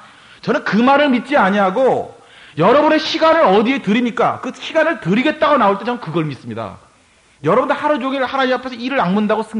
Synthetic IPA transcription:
t͡ɕʌnɯnkɯmaɾɯɭmit̚t͡ɕ͈iaɲiɦaɡo | jʌɾʌbune̞ɕʰiɡanɯɾʌdie̞tɯɾimɲik͈a̰kɯɕʰiɡanɯɭtɯɾiɡe̞t̚t͈aɡonaoɭt͈e̞t͡ɕʌnkɯɡʌɭmis͈ɯmɲida̰ | jʌɾʌbɯndɯhaɾɯd͡ʑoŋiɭhanaɲiapʰesʰʌiɾɯɾaŋmundaɡosʰɯ

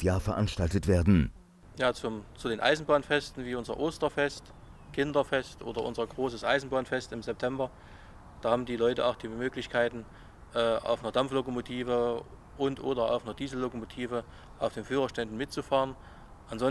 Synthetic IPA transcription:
jaːɐfɛɐʔanʃtaltətv̥eːɐdn̩ | jaːt͡sʊt͡sudeːnʔa̰ɪzn̩baːnfɛstn̩viːʊnzɐ̰ʔoːstɐfɛst | kʰɪndɐfɛstʔo̰ːdɐʔʊ̰nzɐɡʁoːsəsʔaɪzn̩baːnfɛstɪmzɛp̚tʰɛmbɐ | d̥aːhaːbm̩diːlɔʏtəʔaʊxd̥iːmøːklɪçkʰaɪtn̩ | ʔɛːʔa̰ʊfnɐdamflokomotʰiːvə | ʔʊntʔoːdɐa̰ʊfnɐd̥iːzl̩lokomotʰiːvə | ʔaʊfd̥eːnfyːʁ̞ɐʃtɛndn̩mɪtt͡sufaːʁən | ʔanzɔn

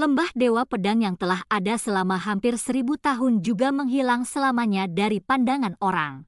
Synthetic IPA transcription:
ləmbahdewapədaŋjaŋt̪əlahadasəlamaɦampɪrsəɾibut̪aɦʊnd͡ʒuɡaməŋɦilaŋsəlamaɲadaɾipandaŋanoɾa̰ŋ

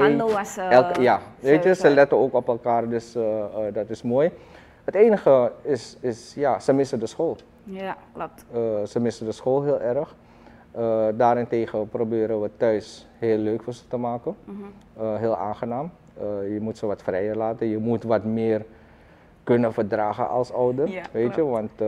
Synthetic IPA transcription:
eɛlˠjaʋeːtjəsəlɛtənoːkɔpɛlˠkaːrdøsdɑtɪsmoːj | həteːnəxəɪsɪsjasəmɪsədəsxoːlˠ | əsəmɪsədəsxoːlˠɦɪːlˠʔɛrəx | ədaːɾɪnteːχəprobɪːɾənʋətœɥsheːlːøːkfʊːɹzətəmaːkən | ɦeːlˠʔa̰ːnχənaːm | əjəmutsəʋɑtfrɛjəɹlaːtənjəmutʋɑtmɪːr | kɵnəfəɹdraːχə̰nʔɑ̰lˠsɔwdərʋetjəʋɑnt

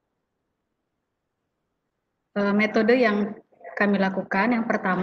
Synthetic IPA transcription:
ʔəmet̪odəjaŋ | kamilakukanjaŋpərt̪am

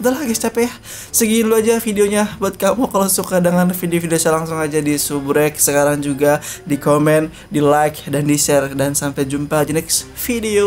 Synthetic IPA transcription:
d̪alahɡast͡ʃapɛja | səɡiːnluad͡ʒafideoɲabuat̪̚kamukalosukadəŋanfideofideosalaŋsʊŋad͡ʒadisubɾɛk̚səkaɾaŋd͡ʒuɡadikomɛn | dilajk̚dandisɛrdansampɛd͡ʒumpad͡ʒinɛks | fideo

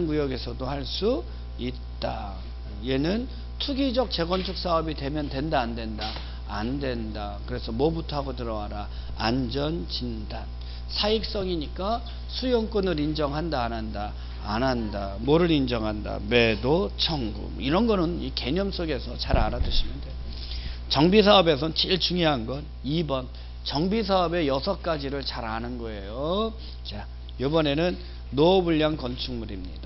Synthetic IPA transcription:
nɡujʌɡe̞sʰʌdohaɭs͈u | it̚t͈a | je̞nɯn | tʰuɡid͡ʑʌk̚t͡ɕe̞ɡwʌnt͡ɕʰuk̚s͈aʌbidwe̞mjʌndwe̞ndaːndwe̞ndaː | ndwe̞nda | kɯɾe̞sʰʌmwʌbutʰaɡotɯɾʌwaɾa | a̰nd͡ʑʌnd͡ʑindan | sʰaik̚s͈ʌŋiɲik͈a | sʰujʌŋk͈onɯɾind͡ʑʌŋɦandaːnandaː | nɦanda | moɾɯɾind͡ʑʌŋɦanda̰me̞dot͡ɕʰʌŋɡṵmiɾʌnɡʌnɯnike̞ɲʌms͈oɡe̞sʰʌt͡ɕaɾa̰ɾadɯɕʰimjʌndejo | t͡ɕʌŋbisʰaʌbe̞s̬ʰʌnt͡ɕiɭt͡ɕuŋjʌɦanɡʌn | ibʌn | t͡ɕʌŋbisʰaʌbe̞jʌsʰʌk͈ad͡ʑiɾɯɭt͡ɕaɾanɯnɡʌe̞jo | t͡ɕa | jobʌne̞nɯnː | obuʎːaŋkʌnt͡ɕʰuŋmuɾimɲḭda

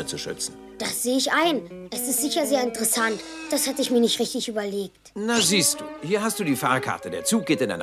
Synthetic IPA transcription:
ət͡suʃʏ̰t͡sn̩d̥asz̥eːəɪçʔaɪnʔɛsɪstz̥ɪçɐzeːɐɪntəʁɛsantd̥ashatəɪçmiːɐnɪçtʁɪçtɪçʔyːbɐleːk̚tnaziːst̚d̥uːhiːɐɦast̚d̥uːdiːfaːɐkʰa̰ɐtədeːɐt͡suːk̚ɡ̥eːtɪnʔa̰ɪn

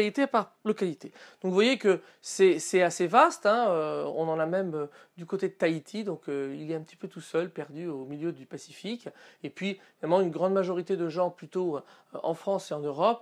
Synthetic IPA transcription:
lit̪epaʁlɔkalit̪ed̪̥ɔ̃kvwajekə | sɛsɛasevast̪ɛ̃øɔ̰̃nɑ̃namɛmø | d̪ykot̪ed̪ət̪ait̪ʰid̪ɔ̃køilɛt̪ɛ̃pə̥t̪i̥pøt̪usœlpɛʁd̪yomiljød̪ypasi̥fikepɥiinalmɑ̃ynɡʁɑ̃d̪maʒɔʁit̪ed̪əʒɑ̃plyt̪oʔɑ̃fχɑ̃seɑ̃nøʁɔp

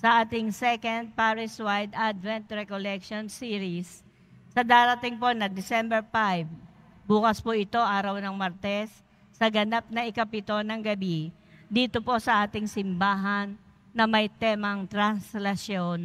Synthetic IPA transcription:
sɐʔaːt̪ɪŋsɛkɐnd̪̚paɾɪswajd̪ʔad̪vɛnt̪ɾɛkolɛk̚ʃonsiːɾisː | ɐd̪aːɾɐt̪ɪŋpo̞nɐd̪ɪsɛmbɛɹfajv | buːkɐspoʔɪt̪o̞ʔaːɾɐwnɐŋmaɾt̪ɛsː | ɐɡɐnap̚nɐʔɪkɐpɪt̪o̞nɐŋɡɐbi | d̪iːt̪opo̞sɐʔaːt̪ɪŋsɪmbaːɦɐnː | ɐmɐjt̪ɛːmɐŋt̪ɾɐnslɐsjon

